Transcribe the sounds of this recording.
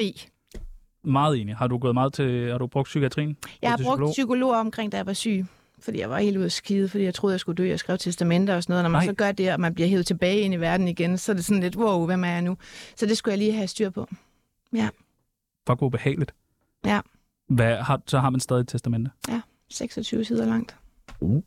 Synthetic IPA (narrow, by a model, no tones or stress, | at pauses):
ḭː | mɑ̈ːð̩ˠe̝ːnihɑ̈d̥uɡ̥ɔ̽ːðˠmɑ̈ːð̞̩ˠt͡sʰe̝hɑ̈ɾ̥ub̥ʁɔ̽ɡ̥d̥sykæt͡sʰʁḭːn̩jɑ̈ɪhɑ̈bʁɔ̽ɡ̥̚sykʰo̝lo̝̰ːɐɒ̽mkʰʁeŋ̰d̥æjaʋɑ̈sy̰ː | fɒd̥ḭːjɑ̈ɪʋɑ̈he̝̰ːl̥uðˠɐsɡ̥iːð̩ˠfɒ̽d̥ḭjɪt͡sʰʁo̝ð̩ˠjɪsɡ̥ud̥ø̰ːjɑsɡ̥ʁɛ̰ːʊt͡sʰesd̥æmen̰d̥ɐɒ̽sɒnɔːð̩ˠnɒmænsɒ̽ɡ̥ɶɐd̥e̝ɒ̽mænbliɐɦe̝ʊð̩ˠt͡sʰe̝b̥ɛːɪe̝niʋæɐd̥n̩iɡ̥ensɒæɐd̥e̝sɒ̽n̩le̝d̥woʊʋemæɐjɑ̈ɪnusɒ̽d̥e̝sɡ̥ujɑɪliːɦæsd̥yɐ̰pʰɒ̽ | jæ | fɒ̽ɡ̥ob̥e̝hɛ̰ːlid̥ | jæ | ʋæhɑsɒhɑ̈mænsd̥ɛːðˠit͡sʰesd̥æmen̰d̥əjæ | seɡ̥sɒt͡sʰyːʊsʰiðˠɐlɑ̈ŋ̰d̥